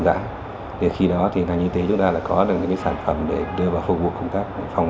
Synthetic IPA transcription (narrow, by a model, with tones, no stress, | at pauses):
za̰ː˧˥ | ve˨˩xi˧ɗɔ˨˦t̪ʰi˨˩ŋaː˨˩ɲɨ˧t̪i˨˦t͡ɕʊ˨˦ŋ͡mt̪aː˧laː˨˩kɔ˨˦ɗɨ˨˩k̚ɲɨ̰˧˥ŋkːsaː˧˩nfə˧˩mɗe˧˩ɗɨ˧əvaː˨˩wfu˧vṵ˧˨kə˧ŋ͡mt̪aː˦˥k̚fa˧wŋ͡m